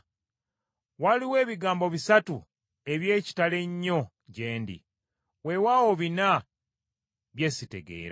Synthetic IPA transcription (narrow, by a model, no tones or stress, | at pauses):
waliwe̞ːβiɡaːmbo̞βisatu | e̞βje̞ːci̥tale̞ɲːo̞ | ɟe̞ːndḭ | we̞wawo̞βina | βje̞ːsite̞̰ɡḛːɾa